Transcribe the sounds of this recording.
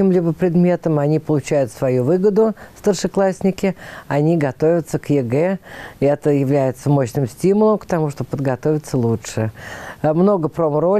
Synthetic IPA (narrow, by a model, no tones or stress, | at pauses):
imlʲibəpɾʲɪd̪mʲe̞t̪əmɐnʲipəlˠʊt͡ɕæjʊt̪svɐjuvɨɡəd̪ʊst̪ərʂɨklˠasʲnʲɪkʲɪɐnʲiɡɐt̪o̞vʲɪt̪səkjɪɡɛɛt̪əjɪvlʲæjɪt̪səmo̞ɕnɨmsʲtʲimʊlˠəmkt̪ɐmuʂt̪opəd̪ɡɐt̪o̞vʲɪt̪səlˠutʂɨ | mno̞ɡəpɾomɾo